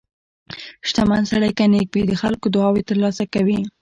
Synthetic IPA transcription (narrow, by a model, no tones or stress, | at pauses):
ʃt̪amansaɽajkanek̚bid̪əxalkod̪ʊɑwet̪əɾlɑsakawi